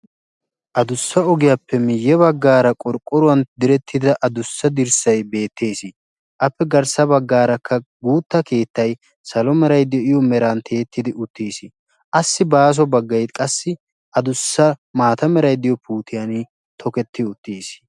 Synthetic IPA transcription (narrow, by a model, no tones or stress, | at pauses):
ʔɐd̪ʊsːɐɔɡɪjapːɛmɪjːɛβɐɡːaːɾɐkʼɔɾkʼːɔɾʊwɐnd̪ɪɾɛt̪ʰːɪd̪ɐʔɐd̪ʊsːɐd̪ɪɾsɐjbe̞ːt̪ʰːe̞ːsɪ | ʔɐpːɛɡɐɾsɐbɐɡːaːɾɐkʰːɐɡuːt̪ːɐke̞ːt̪ːɐj | sɐlɔmɛɾɐjd̪ɪjɔɪjɔmɛɾant̪ʰe̞ːt̪ːɪd̪ɪʔʊt̪ːiːsɪ | ʔɐsːɪbaːs̬ɔbɐɡːɐjt̪kʼɐsːɪ | ɐd̪ʊsːɐmaːt̪ɐmɛɾɐjd̪ɪjɔpʰuːt̪ʰɪjan | t̪ʰɔkɛt̪ːɪʊt̪ːiːs